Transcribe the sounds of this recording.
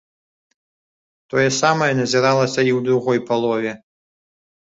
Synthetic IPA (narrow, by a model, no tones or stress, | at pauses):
t̪ɔjɐsamɐjɛnɐzʲɛɾalˠɐsʲɐiwd̪ɾuɣɔjpalˠɔvʲɛ